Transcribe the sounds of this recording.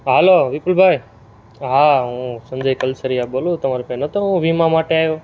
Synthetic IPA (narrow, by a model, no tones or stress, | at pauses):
ɦəloːʋiːpəlbʱaːj | ɦaːɦũːsə̃md͡ʒʱaiːkəlsəɾijaɓoːloːt̪ɐmãːɾepẽnət̪ʰoɦũʋiːmãmaːʈeaːjoː